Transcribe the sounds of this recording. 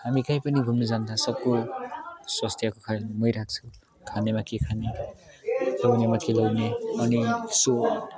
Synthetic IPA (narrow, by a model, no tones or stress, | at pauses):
hamikajpʌniɡʱumnʌd͡zand̪asʌb̚ko | swʌst̪ʰjakokʰamʌjɾak̚t͡sʰu | kʰanemakekʰane | lʌwnemakelʌwneʌniso